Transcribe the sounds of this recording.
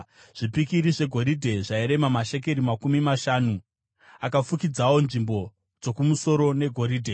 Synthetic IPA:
ʐ̥ipikiɾiʐe̞ɡʱo̞ɾidʱe̞ʐaiɾe̞mamaʃeke̞ɾimakumimaʃaːnu | akafukid͡zawo̞nʐimbo̞ | d͡zo̞kumuso̞ɾo̞ne̞ɡʱo̞ɾiːdʱe̞

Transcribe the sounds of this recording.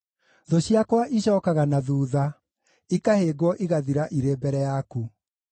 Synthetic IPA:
ðoɕiakwaʔiɕɔːkaɣanaðuːða | ikaheɡwɔʔiɣaðiɾaʔiɾeːbɛɾɛjaku

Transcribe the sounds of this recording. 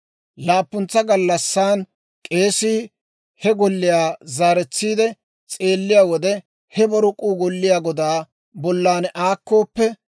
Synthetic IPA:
laːpːʊnt͡sːɐɡɐlːɐsːaːn | kʼe̞ːsiː | hɛɡɔlːɪjaːzaːɾɛt͡sːiːd̪ɛ | t͡sʼe̞ːlːɪjaːwɔd̪ɛ | hɛbɔɾʊkʼuːɡɔlːɪjaːɡɔd̪aː | bɔlːaːnʔaːkːo̞ːpːɛ

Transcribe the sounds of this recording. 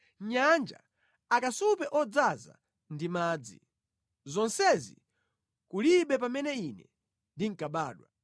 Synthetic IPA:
ɲand͡ʒa̰ | akasupɛʔɔd͡zaza̰ | ndimaːd͡zḭ | zɔnsɛzḭ | kuliɓɛpamɛnɛinɛ̰ | ndiŋ̩kaɓaːɗwa

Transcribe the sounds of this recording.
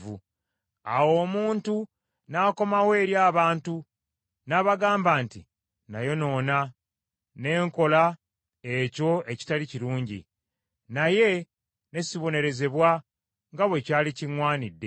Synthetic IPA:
vṵ | a̰wo̞ːmuːntu | naːko̞mawe̞ːɾjaːβaːntu | naːβaɡaːmbaːntḭ | najo̞no̞ːna | ne̞ːŋko̞la | e̞co̞e̞ci̥taliciɾuːɲɟḭ | naje̞ | ne̞siβo̞ne̞ɾe̞ze̞βwa | ŋɡaβwe̞caːliciŋwaːnidːe̞

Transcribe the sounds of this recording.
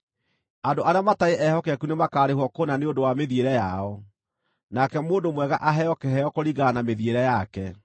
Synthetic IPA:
andoʔaɾeamataeʔɛhɔkɛakunemakaːɾehwɔkonaneondowameðieɾɛjaɔ | nakɛmoːndomwɛɣa̰ʔaɦɛjɔkɛhɛɔkoɾiɣanameðieɾɛjakɛ

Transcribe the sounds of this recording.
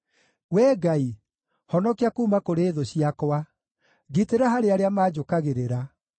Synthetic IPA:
wɛːɡai | hɔnɔkeakuːmakoɾeːðoɕiakwa | ɣiteɾaɦaɾeaɾeamaːd͡ʑokaɣeɾeɾa

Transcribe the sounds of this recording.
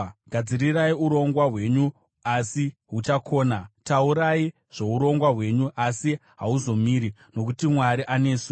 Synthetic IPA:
ɡʱad͡ziriraiuɾo̞ŋɡwaɦwe̞ɲu | asiɦut͡ʃakʰo̞ːnatauɾai | ʐ̥e̞uɾo̞ŋɡwaɦwe̞ɲuʔasiɦauzo̞miːɾino̞kutimwaɾiʔanesu

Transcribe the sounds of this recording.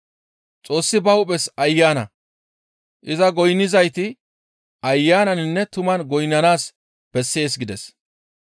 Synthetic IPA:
t͡sʼo̞ːsːɪbɐwʊpʼɛsɐjːaːnɐ | ʔɪzɐɡɔjnːɪzɐjt̪ɪ | ɐjːaːnɐnɪnːɛt̪ʊmɐnɡɔjnːɐnaːs | b̥ɛsːe̞ːs̬ɡɪd̪ɛs

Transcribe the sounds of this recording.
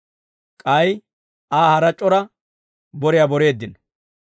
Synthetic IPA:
kʼɐj | aːhɐɾɐt͡ʃʼːɔɾɐ | bɔɾɪjabɔɾe̞ːd̪ːɪn

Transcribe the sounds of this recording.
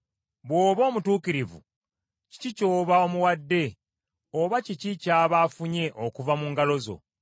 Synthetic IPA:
βwo̞ːβo̞ːmutuːkiɾivṵ | ci̥cico̞ːβao̞muwadːe̞ | oβacicicaːβaːfuɲe̞ʔokuvamuŋɡalo̞zo̰

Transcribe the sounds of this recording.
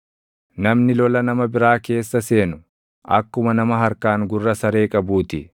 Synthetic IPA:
nɐmnɪlɔlɐnɐmɐbɪɾaːke̞ːsːɐse̞ːnʊ | ʔɐ̰kːʊmɐnɐmɐɦɐɾkaːŋɡʊrːɐsɐɾe̞ːkʼɐbuːt̪ɪ

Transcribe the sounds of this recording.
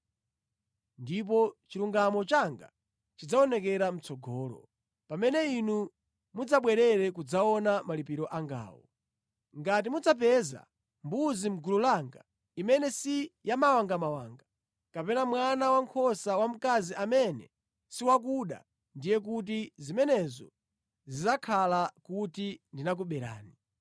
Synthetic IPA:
ndip̬ɔt͡ʃiɾuŋɡamɔt͡ʃaŋɡa̰ | t͡ʃid͡zaɔnɛkɛɾam̩t͡sɔɡʱɔːlɔ̰ | pamɛnɛinu | mud͡zaɓwɛɾɛɾɛkud͡zaɔnamalipiɾɔʔaŋɡa̰ːwɔ̰ | ŋɡat̬imud͡zap̬ɛza̰ | mbuzim̩ɡululaːŋɡa̰ | imɛnɛsijamawaŋɡamawaːŋɡa | kapɛnamwanawaŋkʰɔsawam̩kaziʔamɛnɛ̰ | siwak̬uɗa̰ | ndijɛk̬ut̬izimɛnɛzɔ̰ | zizakʰalakutindinak̬uɓɛɾa̰ːni

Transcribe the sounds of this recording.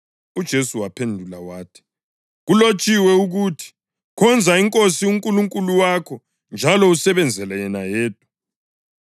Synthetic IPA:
ud̥ʒ̥ʱesuwapʰendʱulawaːtʰi̥ | ɣulot͡ʃʼiwɛuɣutʰi̥ | kʰɔnd͡zʱaiŋkʼosiuŋkʼuluŋkʼuluwakʰɔ | nd͡ʒʱalɔusɛβɛnd͡zʱɛlɛjɛnajɛːd̥̚ʼʱḁ

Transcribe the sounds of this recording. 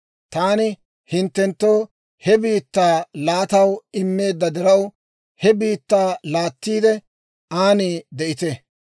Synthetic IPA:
t̪aːnɪ | hɪnt̪ːɛnt̪ːo̞ː | hɛbiːt̪ːaːlaːt̪ɐwɪmːe̞ːd̪ːɐd̪ɪɾɐw | hɛbiːt̪ːaːlaːt̪ːiːd̪ɛ | ʔaːniːd̪ɛʔɪt̪ɛ

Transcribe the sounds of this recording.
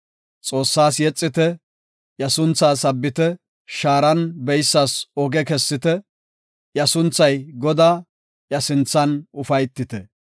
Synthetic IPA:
t͡sʼo̞ːsːaːsjɛt͡sʼːɪt̪ɛ | jɐsʊnt͡sːaːsɐbːɪt̪ɛ | ʃaːɾɐnbɛjsːaːsɔɡɛkɛsːɪt̪ɛ | jɐsʊnt͡sːɐjɡɔd̪aː | jɐsɪnt͡sːɐnʊfɐjt̪ːɪt̪ɛ

